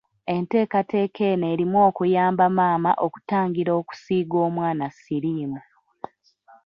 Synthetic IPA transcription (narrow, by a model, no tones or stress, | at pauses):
e̞nte̞ːkate̞ːkʰe̞neːɾimwo̞ːkujaːmbamaːma̰ʔoku̥taːŋɡiɾo̞ːku̥siːɡo̞ːmwaːnasiɾiːmu